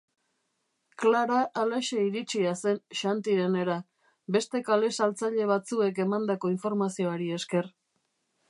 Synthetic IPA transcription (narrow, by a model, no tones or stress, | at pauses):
klaɾaʔːlaʃeiɾit͡ʃiase̞nʃant̪iɾe̞ne̞ɾa | be̞st̪e̞kale̞salt͡saʎe̞β̞at͡sue̞ke̞mand̪ako̞iɱfo̞ɾmasio̞aɾie̞ske̞r